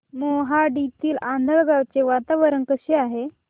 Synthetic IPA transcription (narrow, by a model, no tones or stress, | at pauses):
moɦaɖit̪iːland̪ʱəɭɡawt͡seʋat̪aʋəɾənkəɕeaɦe